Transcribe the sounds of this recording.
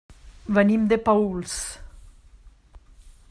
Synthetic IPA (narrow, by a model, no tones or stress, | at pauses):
βənimd̪epauls